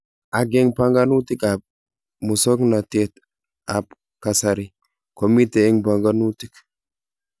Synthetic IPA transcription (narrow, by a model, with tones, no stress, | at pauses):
a˨ɡe˦ŋpa˦ŋɡa˦nu˦ti˦ka˨p̚ | mu˨so˦kna˨te˦t | a˨p | ka˨sa˨ɾi˦ | ko˨mi˦teː˨˦ŋpa˨ŋɡa˦nu˦ti˦k